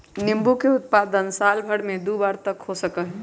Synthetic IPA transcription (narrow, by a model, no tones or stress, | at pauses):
nɪ̃mbukeʊt̪̚paːd̪ənsaːlbʱəɽmẽd̪uːbaːɾt̪əkhosəkəɦɛ